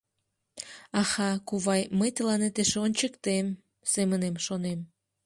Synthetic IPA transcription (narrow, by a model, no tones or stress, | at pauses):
ɑxɑkuβɑjməjt̪əlɑnet̪eʃonʲt͡ɕəkt̪em | semənemʃonem